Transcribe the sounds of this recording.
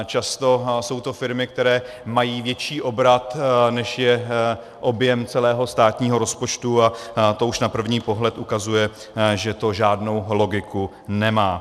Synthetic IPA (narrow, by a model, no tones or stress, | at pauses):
t͡ʃast̪o̞so̞wt̪o̞fɪɾmɪk̚t̪ɛɾɛː | majiːvjɛt͡ʃiːʔo̞bɾat̪nɛʃjɛ | ʔo̞bjɛmt͡sɛlɛːɦo̞st̪aːt̪ɲiːɦo̞ɾo̞spo̞t͡ʃt̪uat̪o̞uʃnapr̩vɲiːpo̞ɦlɛt̪ʔukazujɛ | ʒɛt̪o̞ʒaːdno̞wlo̞ɡɪku | nɛmaː